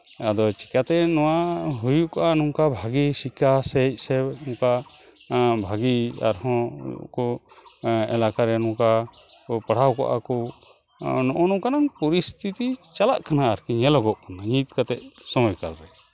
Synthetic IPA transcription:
ad̪ɔt͡ʃi̥kat̪ɛnɔwaɦujuʔkɔʔanuŋkabʱaɡisikʰasɛc̚ˀsɛnɔ̃ka | bʱaɡia̰ɾhɔ̰̃kɔ | ɛlakaɾɛnɔ̃ka | paɽ̤awkɔ̰ʔa̰kɔ | nɔʔɔnukanaŋpɔɾist̪ʰit̪it͡ʃalaʔkanaːɾkiɲɛlɔɡɔʔkanaɲit̪̚kat̪ɛʔ̚sɔmɔjkalɾɛ

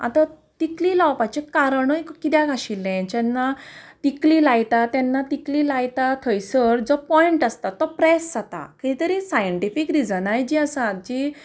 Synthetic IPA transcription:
a̰t̪a | t̪iklilawpat͡ɕekaɾəɳojkkit̪jaɡaɕilːɛ̃t͡ɕɛnːat̪iklilajt̪at̪ɛnːat̪ikliːlajt̪at̪ʰəjsəɾd͡zɔpɔiɳʈast̪at̪ːɔpɾɛsːat̪a̰kiit̪əɾisajəɳʈifikɾid͡zənajd͡ʑiəsãt̪̚d͡ʑi

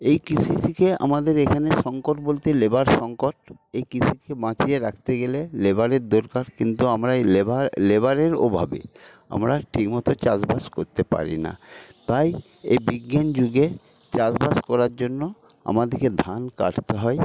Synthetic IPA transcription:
ejkisʰitʰikea̰mad̪eɾekʰaneʃɔŋkoʈ̚bolt̪elebaɾʃɔŋkoʈ̚ejkisʰikebãt͡ɕieɾakʰt̪eɡelelebaɾeɾd̪oɾkaɾkint̪uamɾaealebaɾeɾo̰bʱabḛa̰mɾaʈʰikmɔt̪ot͡ɕad͡ʑbaʃkoɾt̪epa̰ɾḭna̰t̪aj | ebiɡːand͡ʑuɡe | t͡ɕad͡ʑbaskɔɾaɾd͡ʑonːo | a̰mad̪eɾked̪ʱanka̰ʈt̪eɦɔe

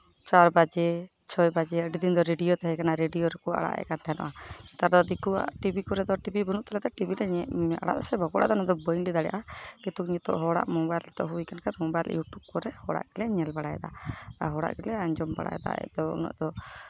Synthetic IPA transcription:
t͡ʃaɾbad͡ʒɛ | t͡ʃʰɔjbad͡ʒɛəɖid̪ind̪ɔɾeɖijɔt̪aɦɛkanaɾeɖiɔɾɛkɔa̰ɽa̰ʔɛ̰kant̪ʰaɛnɔ̰ʔat̪aɾd̪ɔd̪ikua̰ʈibikɔɾɛd̪ɔʈibibənuʔt̪alaʔt̪ɛʈibiɾɛa̰ɽa̰ʔd̪ɔsɛbaɡɔɽad̪anɔd̪ɔbəjnɖid̪aɽɛja̰ʔakit̪uk̚ɲɛt̪ɔ̰ʔɦɔɽa̰ʔmɔbajlɛt̪ɔʔɦuwikankaɾmɔbajlḭwʈuʔkːɔɾɛhɔɽa̰ʔɡ̥ɛlɛɲɛlbaɽaja̰d̪aɦɔɽa̰ʔɡɛlɛaɲd͡ʒɔmba̰ɽa̰jɛ̰d̪a̰ɛ̰d̪ɔṵnɔ̰ʔd̪ɔ

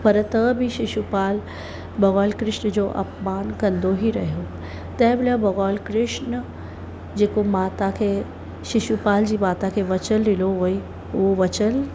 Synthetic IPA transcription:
pɐɾt̪ɐbʱiʃɪʃupaːl | bɐɣɔːlkɾɪʃnd͡ʑoːʔɐ̰pmaːnkɐ̃nd̪oɦiɾɐɦijo | t̪ɛ̃ːbɪlabɐɣɔːlkɾɪʂnə | d͡ʑeːkomaːt̪akʰe | ʃɪʃupaːld͡ʑiːbaːt̪ãkʰeʋɐt͡ɕəlɾɪloɦoːi | oʋɐt͡ɕəl

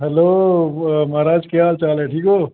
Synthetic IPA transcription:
ɦɛloː | mɐɦɾaːd͡ʒkejaːlt͡ʃaːleʈʰiːkɦoː

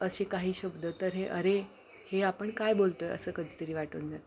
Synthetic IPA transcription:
əɕekaɦiːɕəbd̪ʱət̪əɾɦeʔəɾe | heapəɳkajbolt̪ojə̰səːkəd̪ʱiːt̪əɾiːʋaʈənd͡zat̪

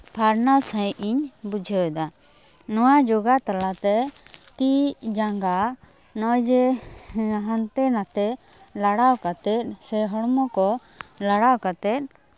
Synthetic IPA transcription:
pʰaɾnawsãjʔiɲbud͡ʒʱɛd̪a | nɔwad͡ʒoɡat̪alat̪ɛt̪id͡ʒaŋɡa | nɔjd͡ʒɛ | ɦant̪ɛnat̪ɛ | laɽawkat̪ɛt̪̚sɛɦɔɽmɔkɔ | laɽawkat̪ɛt̪̚ˀ

